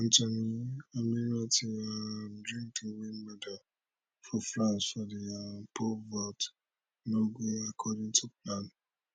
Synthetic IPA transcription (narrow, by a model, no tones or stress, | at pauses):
n̩tãnĩamĩɾ̃ãtĩãdɾĩŋkĩwinmɛda | fɔflasfɔdijapʰovɔt | loɡũakʰɔdĩŋtʰuplãn